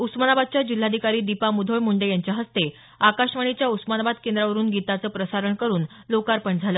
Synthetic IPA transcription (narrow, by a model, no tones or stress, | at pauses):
usmanabad̪̚t͡ɕjad͡ʑil̤ːad̪ʱikaɾiːd̪ipamud̪ʱoɭmuɳɖəjaɲt͡ɕjaɦəst̪e | akaɕʋaɳ̃it͡ɕjausmanabad̪kend̪ɾaʋəɾuːnɡit̪at͡səːpɾəsaɾəɳkəɾuːn | lokaɾpəɳd͡zʱaləː